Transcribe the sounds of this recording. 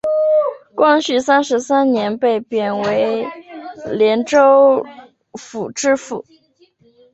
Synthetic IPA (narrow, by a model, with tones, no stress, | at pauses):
kwɑ˥ŋɕy˥˩sa˥nʂɻ̩˧˥sa˥nnjɛ˧˥npe˥˩ɪpjɛ˨˩nwe˧˥ɪ | ljɛ˧˥nʈ͡ʂo˥ʊ | fu˨˩ʈ͡ʂɻ̩˥˧fṵ˨˩˦